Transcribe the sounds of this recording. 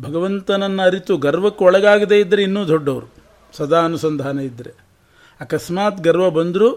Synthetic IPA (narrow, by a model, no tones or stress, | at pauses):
bʱɐɡɐʋɐnt̪ɐnɐnːɐɐɾit̪uɡɐɾʋɐkːeɔɭɐɡaːɡid̪eid̪ːɐɾeinːuːd̪ʱɔɖːɐʋɐɾu | sɐd̪aːɐnusɐnd̪ʱaːnɐid̪ːɐɾe | ɐkɐsmaːt̪ɡɐɾʋɐbɐnd̪ɾu